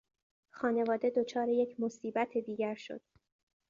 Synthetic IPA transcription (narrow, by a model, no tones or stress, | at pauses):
xɒːne̞vɒːd̪e̞d̪ot͡ʃʰɒːɾejecʰmo̞siːbæt̪ʰed̪iːɟæɾʃo̞̰d̪̥